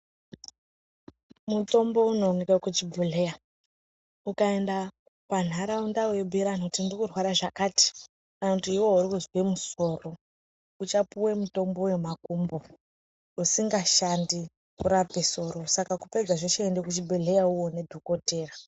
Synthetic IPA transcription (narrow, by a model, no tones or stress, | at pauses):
muto̞mbo̞uno̞ŋikakut͡ʃibʱuɮe̞ja | ukae̞nda | pan̤aɾaundawebʱiɾanotindrikurwaɾaʐakati̥ | kanakutuiwo̞uɾikuzwemuso̞ro | ut͡ʃapuwe̞muto̞mbo̞we̞makumbo | usiŋɡaʃandi | kuɾape̞so̞ɾo̞sakakupe̞d͡zaʐoʃaendekut͡ʃibʱuɮe̞jauwo̞ne̞dʱuko̞te̞ːra